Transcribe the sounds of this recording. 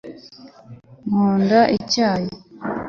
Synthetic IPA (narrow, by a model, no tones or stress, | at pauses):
muːndaʔicaːji